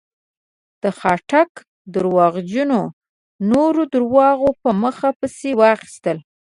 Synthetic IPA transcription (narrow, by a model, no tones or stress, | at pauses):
d̪̥əxɑʈak | d̪ʊɾwɑɣd͡ʒuno | noɾod̪ʊɾwɑɣopəməxapəsewɑxi̥st̪əl